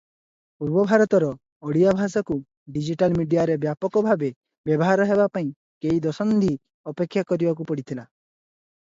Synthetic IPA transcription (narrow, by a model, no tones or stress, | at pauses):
uɾbɔbʱaɾɔt̪ɔɾɔː | ɽiabʱasɔku | ɖid͡ʒiʈalmiɖijaɾebjapɔkɔbʱabe | bjɔbɔɦaɾɔɦeβapaĩ | keid̪ɔsɔnd̪i | ɔpekʰːjakɔɾibakupɔɽit̪ʰila